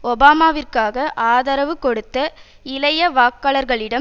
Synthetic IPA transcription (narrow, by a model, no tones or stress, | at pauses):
ɔbaːmaːʋɪrkaːɣɐʔaːðɐɾɐʋɯkɔɽɯt̪ːɐ | ɪlɐjɐʋaːkːaːɭɐɾɣɐɭɪɽɐ